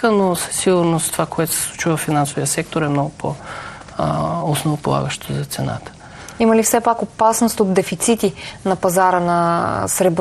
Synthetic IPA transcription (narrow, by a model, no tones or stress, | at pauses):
ənosə̥siɡʊɾnost̪ovakoɛt̪ʊ̥sɛ̥slˠut͡ʃivəfinansovijəsɛk̚t̪oɾɛmnɔɡʊpʰo̰ | osnovopolˠa̰ɡəʃt̪ozɐt̪sɛna̰t̪ə̥ | iməlifsɛpakopasnost̪ot̪d̪ɛfit̪sit̪inɐpɐzaɾənɐsɾɛb